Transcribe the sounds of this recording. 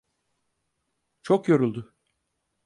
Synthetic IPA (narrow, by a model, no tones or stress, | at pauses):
t͡ʃʰokjoɾulˠd̪ʊ